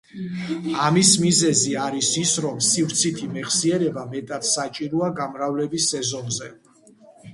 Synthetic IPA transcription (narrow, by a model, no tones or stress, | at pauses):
amismizɛziaɾisisɾɔmsivɾt̪sʰit̪ʰimɛχsiɛɾɛbamɛt̪ʼat̪sat͡ʃʼiɾuaɡamɾavlɛbisːɛzɔnzɛ